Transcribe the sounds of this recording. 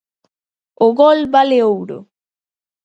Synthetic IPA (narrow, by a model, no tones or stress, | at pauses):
oɣolbaleowɾo̰